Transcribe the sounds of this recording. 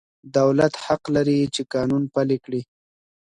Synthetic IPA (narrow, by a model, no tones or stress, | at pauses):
d̪awlat̪haqlaɾit͡ʃekɑnunpalekɽi